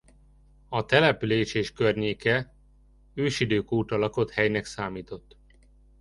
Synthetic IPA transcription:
ɒt̪ɛlɛpyleːʃeːʃkørɲeːkɛ | øːʃid̪øːkuːt̪ɒlɒko̞t̪hɛjnɛksaːmiːt̪o̞t̪ː

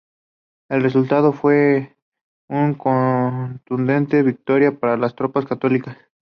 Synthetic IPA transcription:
e̞lre̞sult̪að̞o̞fwe̞ | uŋkont̪und̪e̞nt̪e̞βik̚t̪o̞ɾjapaɾalast̪ɾo̞paskat̪o̞likas

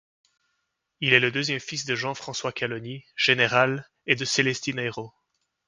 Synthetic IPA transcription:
ilɛləd̪øzjɛmfis̬d̪əʒɑ̃fχɑ̃swakʲalɔniʒ̥eneʁal | ed̪əselɛst̪inaeʁo

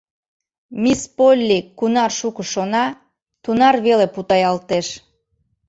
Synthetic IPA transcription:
mispolʲːikːunɑrʃukəʃonɑ | t̪unɑrβeleput̪ɑjɑlt̪eʃ

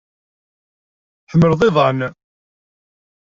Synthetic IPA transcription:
θəməɾðˤɪðˤɑn

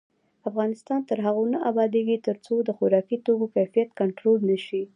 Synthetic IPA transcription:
afɣɑnɪst̪ɑnt̪əɾɦaɣonaʔabɑd̪eɡit̪əɾt͡sod̪əxʊɾɑkit̪oɡokajfijat̪kaɳʈɾolnəʃi

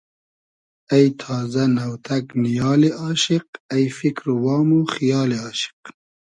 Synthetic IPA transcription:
ɐjt̪ʰɑːzɐnɐwt̪ʰɐknijɑːliʔɑːʃiq̚ɐjfikɾwɑːmuxijɑːliɑːʃi̥q̚

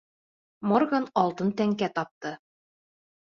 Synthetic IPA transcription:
morɡanɑlˠt̪ɤnt̪æŋkæt̪ɑp̚t̪ɤ

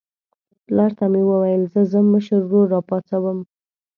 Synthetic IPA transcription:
lɑɾt̪amewəwajəlzəzəməʃəzɡoɾːɑpɑt͡sawəm

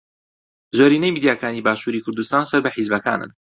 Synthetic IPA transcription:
zoɾiːnejmiːd̪ijaːkaːnibaːʃuːɾiːkʰʊɾd̪ust̪aːnsɐɾbɐħizbɐka̰ːnɨ̰n

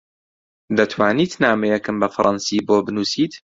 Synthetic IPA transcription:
d̪ɐt̪ʰwaːniːt̪naːmɛjɛkɨmbɐfɾˤʔɑnsiːboːbɨnuːsiːt̪

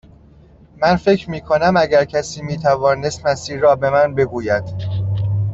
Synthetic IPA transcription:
mænfe̞cʰɾmiːkʰo̞næmæɟæɾcʰæsiːmiːt̪ʰævɒːne̞st̪mæst̪iːɾːɒːbe̞mænbe̞ɡuːjæd̪̥

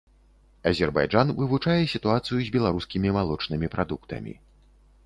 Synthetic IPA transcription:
ɐzʲɛrba̰jʐanvɨvut͡ʂajɛsʲit̪uat̪sɨjuzʲbʲɛlˠaɾuskʲimʲimalˠɔt͡ʂnɨmʲipɾad̪ukt̪ɐ̰mʲḭ

